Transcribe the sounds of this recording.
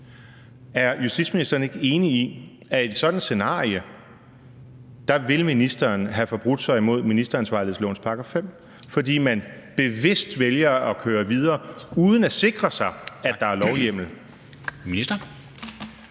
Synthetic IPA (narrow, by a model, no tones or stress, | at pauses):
æɐjusd̥id̥sminisd̥ɐːn̩e̝ɡ̥əe̝ːnii | æe̝d̥sɒ̽d̥n̩se̝nɑ̰̈ːijə | d̥ɑ̈ʋe̝lminisd̥ɐːnɦæfɒ̽b̥ʁud̥sɑ̈ɪimo̝ð̞̰ˠminisd̥ɐænsʋɑ̈ɪlð̩ˠslɔ̰ːnspʰɑ̈ɡ̥ɐfem̰ | fɒ̽d̥ḭːmæn | b̥e̝ʋe̝sd̥ʋeljɐɒ̽kʰøːɐʋið̞ˠɐːuːð̞ˠən̩æse̝ɡ̥ʁɐsɑ̈ɪædd̥ɑ̈æɐlɒʊjem̰l̩ | miisd̥ɐ